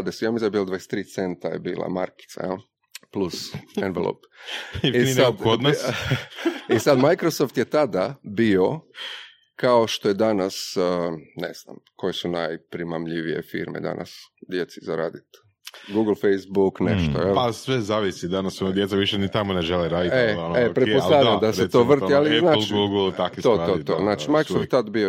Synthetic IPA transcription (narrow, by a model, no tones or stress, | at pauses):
ad̪esiamizabilad̪ʋaese̥t̪ɾiːt̪se̞nt̪ajḛbḭːlˠa̰ma̰ɾki̥t̪sa̰jel | plusenʋelˠo̰p | iinekod̪nas | isad̪majkɾosoft̪jet̪ad̪abio̞ | kaoʃt̪o̞jed̪anas | nḛz̥na̰mkʰo̞jesunajpɾimamʎiʋije̞̰fḭɾmḛd̪a̰nʔa̰sd̪je̞t̪sizaɾa̰ːd̪it̪ | ɡuɡl̩ˠfejsbuknḛʃt̪oepasʋezaːʋisid̪anasonad̪jesaʋiʃenit̪amoneʒeleɾaːd̪ieoepɾepoaːd̪amd̪asset̪oːr̩t̪ializnaːt͡ʃɡuɡlˠt̪akit̪ot̪ot̪oznaːt͡ʃimajkɾosoftt̪t̪ad̪bio